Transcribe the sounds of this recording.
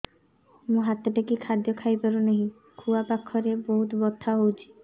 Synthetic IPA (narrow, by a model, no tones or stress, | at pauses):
mũɦat̪ːeʈekikʰad̪jɔkʰajpaɾuneɦĩ | kʰuapakʰːɔɾeboɦut̪bɔt̪ʰːaɦowt͡ʃʰi̥